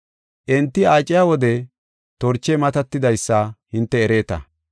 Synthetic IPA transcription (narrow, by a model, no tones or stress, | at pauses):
ʔɛnt̪ːɪaːt͡ʃʼːɪjaːwɔd̪ɛ | t̪ɔɾt͡ʃːɛmɐt̪ɐt̪ːɪd̪ɐjsːɐhɪnt̪ːɛːɾe̞ːt̪ɐ̰